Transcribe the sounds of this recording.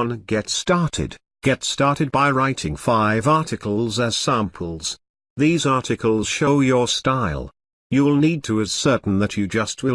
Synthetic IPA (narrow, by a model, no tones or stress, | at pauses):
nɡɛtstɑɹɾɪ̰d | ɡ̥ɛtstɑɹɾɨd̚baɪɹaɪɾɪ̃ŋfaɪvɑɹɾɨkʰl̩ˠzɨz̥sæ̃mpʰəl̩ˠz̥ | ðizɑɹɾɨkʰəl̩ˠz̥ʃoʊjə˞staɪlˠ | jɨwɪlˠnid̚tʰɨːz̥sɜ˞ʔn̩ðɨt͡ʃɨd͡ʒʌst̚wɨ